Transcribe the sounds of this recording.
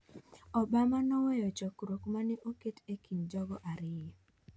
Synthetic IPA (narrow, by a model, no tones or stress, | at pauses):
ɔbamanɔwɔjɔt͡ʃɔkɾokmanɛʔoketekʰind͡ʒɔɡɔʔaɾɪj